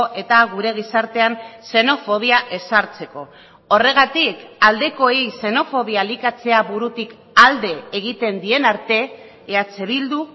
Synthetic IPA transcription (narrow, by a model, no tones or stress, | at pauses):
ʔe̞t̪aɣuɾe̞ɣ̞isaɾt̪e̞anse̞no̞fo̞β̞iaʔe̞saɾt͡se̞ko̞ | ore̞ɣ̞at̪ikald̪e̞ko̞ejse̞no̞fo̞βialikat͡se̞aβuɾut̪ik | ald̪e̞ːɣ̞it̪e̞nd̪ie̞naɾt̪e̞ː | at͡se̞βild̪u